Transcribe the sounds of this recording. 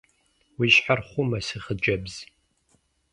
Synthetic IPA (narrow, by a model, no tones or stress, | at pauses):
wiʃħarχʷʊmɐsɨχəd͡ʒɐbz̥